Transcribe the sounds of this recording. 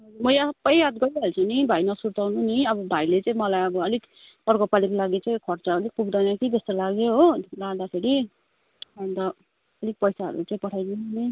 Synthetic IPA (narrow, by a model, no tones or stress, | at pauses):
mʌjapːʌjjad̪ɡʌjɦelt͡sʰʌnibʱajnʌsuɾt̪awnuniʌbʌbʱailet͡saĩmʌlajʌbʌʌlik | pʌrkopalikolaɡit͡saĩkʰʌrt͡saʌlik̚puɡd̪ʌnʌkit̪est̪ʌlaɡjoɦolaɡd̪asʰeɾi | ʌnt̪ʌ | ʌlik̚pʌjsaɦʌ̰ɾṵt͡sʌĩpʌʈʰajneni